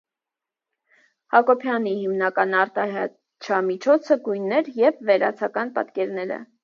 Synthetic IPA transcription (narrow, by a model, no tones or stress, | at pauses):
hɑkɔpʰjɑnihimnɑkɑnɑɾt̪ɑɦɛ | t͡ʃʰɑmit͡ʃʰɔt͡sʰəɡujnːɛɾjɛvːɛɾɑ̰t͡sʰɑkɑn̪pɑ̰t̪kɛɾnɛɾə̰